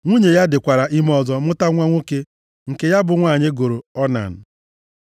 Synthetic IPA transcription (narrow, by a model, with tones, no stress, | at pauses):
ŋʷu˦ɲe˨ja˦dɪ˨kʷa˨ɾa˨ʔi˦m˦ɔ˨zɔ˦mʊ˦ta˦ŋʷa˦ŋʷo˦ke˦ | ŋ̩˨ke˨ja˦bʊ˨ŋʷa˦˨ɲɪ˦ɡo˨ɾo˨ɔ˦na̰˨n̩˨